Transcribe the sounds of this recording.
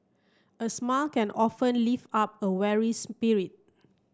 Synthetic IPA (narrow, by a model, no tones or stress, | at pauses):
ʔəsmalkɛ̃nʔɔfə̃nlifap̚əwɛɹispiɹit̚